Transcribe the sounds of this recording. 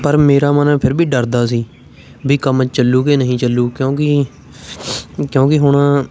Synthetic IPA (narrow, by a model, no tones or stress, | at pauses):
pəɾmeːɾaːmənːpʰɪɾbʱiːɖəɾd̪aːsiː | bʱiːkəmt͡ʃt͡ʃəlːuːkeːnəɦĩːt͡ʃəlːuːkjõːkɪ | kjõːkɪɦʊɳãː